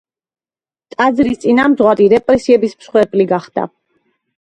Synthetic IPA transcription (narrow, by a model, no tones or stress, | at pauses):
t̪ʼad̪zɾist̪sʼinamd̪zʁwaɾiɾɛpʼɾɛsiɛbismsχwɛpʼliɡaχd̪̥a̰